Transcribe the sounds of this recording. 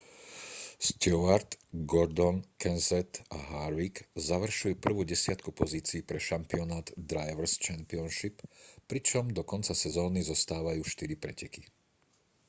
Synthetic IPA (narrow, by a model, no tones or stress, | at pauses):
st̪ɔaɾt̪ɡɔɾd̪ɔnkɛnzɛt̪a̰ɦaɾʋikzaʋr̩ʃujuːpr̩ʋuːɟɛsɪat̪kupɔziːt͡siːpɾɛʃampiɔnaːd̪d̪ɾajʋɾ̩st͡ʃampiɔnʃippɾit͡ʃɔmd̪ɔkɔnt͡sasɛzɔːnizɔst̪aːʋajuːʃt̪iɾipɾɛcɛki